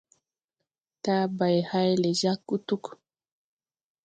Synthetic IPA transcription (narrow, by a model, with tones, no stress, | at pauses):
t̪a˦ba˨jha˦jle˨ʒa˦kːu˦t̪u˦k